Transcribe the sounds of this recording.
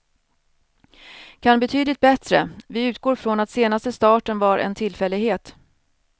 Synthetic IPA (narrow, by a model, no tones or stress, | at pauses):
kʰanbɛt̪ʰyːd̪lɪt̪̚bɛt̪ɾə̰vɪʉ̟ːt̪̚ɡoːɾfɾɔnat̪seːnast̪əst̪ɑːʈənvaɾʔɛ̰nt̪ʰɪlːfɛlːɪɡheːt̪